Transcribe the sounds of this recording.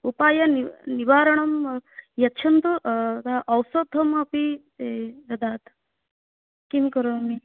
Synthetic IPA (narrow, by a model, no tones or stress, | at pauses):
upaːjɐniniʋaːɾɐɳɐmjɐtːt͡ʃʰɐnt̪uʔt̪aʔɐwsod̪ʱːɐmɐpi | ɐd̪aːt̪ | kimkɐɾoːmi